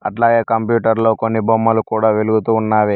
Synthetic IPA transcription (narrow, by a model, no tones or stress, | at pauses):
ɐʈlaːɡeːkɐmpjuːʈɐɾlo̞ːkonːibʱomːɐlukuːɽaːʋeluɡut̪uːnːaːʋeː